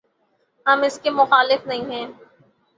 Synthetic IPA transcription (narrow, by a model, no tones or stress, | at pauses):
ɦɐmɪskemʊxaːlɪfnɐɦĩɦɛ̃ː